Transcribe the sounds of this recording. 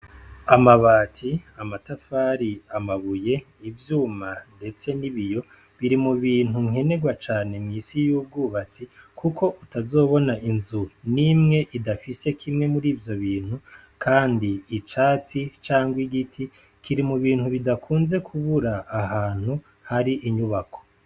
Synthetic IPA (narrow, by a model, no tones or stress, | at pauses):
amaβaːtʰiamatafaɾiamaβuje̞ | ivjuːmande̞t͡se̞niβijo̞ | βiɾimuβiːn̥huŋ̥he̞ne̞ɡwat͡ʃaːne̞mŋiːsijuːb̚ɡuːβat͡sikʰukʰo̞ʔutazo̞ːβo̞naʔinzunimŋe̞ʔidafise̞kʰimŋe̞muɾiːvjo̞βiːn̥hu | kʰaːndiːt͡ʃaːt͡sit͡ʃaːŋɡwiɡitʰi | kʰiɾimuβiːn̥huβidakʰuːnze̞kʰuβuɾaːɦaːn̥hu | haɾiʔiɲuβakʰo̞̥